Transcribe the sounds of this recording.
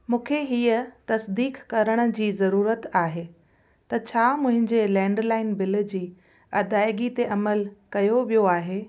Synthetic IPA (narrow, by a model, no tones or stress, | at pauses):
mũːkʰeɦiːət̪ɐsd̪iːkkɐɾəɽ̃ə̆d͡ʑiːzɐɾuːɾət̪aːɦeː | t̪ɐt͡ɕʰaːmʊ̃ɦɪ̃ɲd͡ʑelɛ̃ːɳɖlaːɪnbɪl̆d͡ʑiː | ɐd̪aːɪɡit̪eʔɐməlkɐjoʋijoaːɦeː